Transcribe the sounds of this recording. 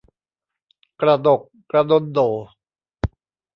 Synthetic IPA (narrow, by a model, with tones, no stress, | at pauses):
kɾa˧do˨˩kːɾa˧do˧˥ndoː˨˩